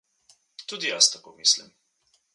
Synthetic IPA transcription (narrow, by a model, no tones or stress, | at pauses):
t̪ud̪ijast̪akomislḭm